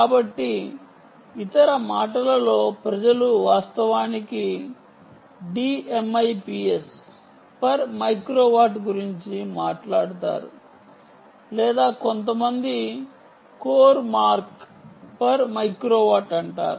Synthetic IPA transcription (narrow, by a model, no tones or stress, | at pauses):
kaːbɐʈːi | it̪ɐɾɐmaːʈɐlɐlo̞ːpɾɐd͡ʒɐluʋaːst̪ɐʋaːniki | ɖiːemɐjpiːes | pɐɾmɐjkɾoːʋaːʈɡuɾiɲt͡ʃimaːʈlaːɽut̪a̰ːɾṵ | lɛːd̪aːkont̪ɐmɐnd̪i | koːɾmaːɾk | pɐɾmɐjkɾoːʋaːʈɐɳʈa̰ːɾu